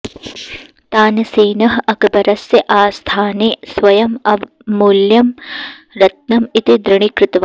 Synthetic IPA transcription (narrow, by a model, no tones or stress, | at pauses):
t̪aːnɐseːnɐɦɐɐkɐbɐɾɐsjɐʔaːst̪ʰaːneːsʋɐjɐmɐʋ | muljɐm | ɾɐt̪̚nɐmit̪id̪ɾɪɳikɾɨt̪ɐʋa